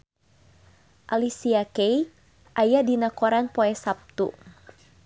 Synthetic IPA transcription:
ʔalisiakej | ʔajadinakɔɾanpɔɛsap̚t̪ṵ

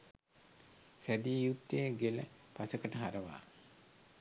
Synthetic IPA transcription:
sæd̪iːjut̪ːeɡeləpasəkəʈəɦaɾəʋa̰ː

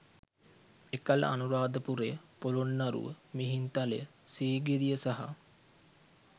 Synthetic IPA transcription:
ekalə̰a̰nuɾaːd̪əpuɾepolonːaɾṵə̰miɦint̪alḛ | siːɡid̪ijəsaɦa̰

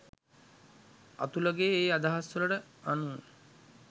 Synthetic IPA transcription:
a̰t̪uləɡeːeːad̪aɦasuləʈəanu

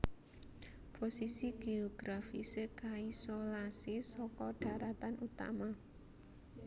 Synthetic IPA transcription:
posisiɡ̥eɔɡ̥ɾafisekaisolasisɔkɔɖ̥a̤ɾat̪anut̪a̰ma

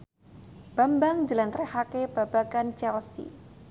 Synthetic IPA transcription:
b̥ambaŋd͡ʒəlant̪ɾɛhakeb̥abakant͡ʃɛlsḭ

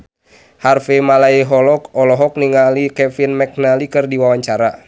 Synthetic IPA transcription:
harfemalaiɦɔlɔkɔlɔɦɔk̚niŋalikɛfinmɛk̚nalikɨrdiwawaɲt͡ʃaɾa̰

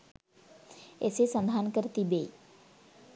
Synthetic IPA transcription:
ḛsesə̃nd̪ʱankəɾt̪ibe

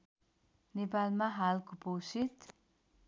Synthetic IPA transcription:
nepalmaɦalkopowsit̪

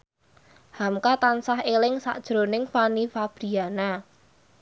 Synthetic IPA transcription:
hamkat̪ansaɦelɪŋsa̰ʔd̥ʒ̥ɾo̤nɪŋfanifab̥ɾiana

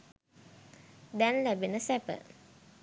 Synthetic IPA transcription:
d̪ɛnlæbenəsæpə̰

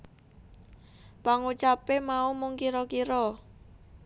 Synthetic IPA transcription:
paŋut͡ʃapemaumʊŋkiɾɔkiɾɔ

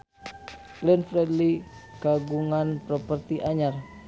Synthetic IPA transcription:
klɛnfɾɛdlikaɡuŋanpɾɔpərt̪iʔaɲar

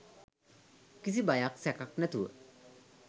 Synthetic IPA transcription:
kis̬ibajaksɛkaknɛt̪uə̰

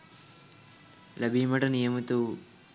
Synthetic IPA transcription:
lɐbiːmɐʈɐnijɐmit̪u

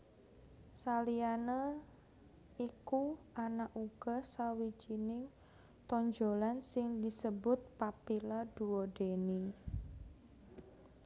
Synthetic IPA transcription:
salianə | iku | anaʔuɡ̥ɔsawid͡ʒinɪŋ | t̪ɔɲd͡ʒolansɪŋdisəbʊt̪̚papilad̥uwod̥eni

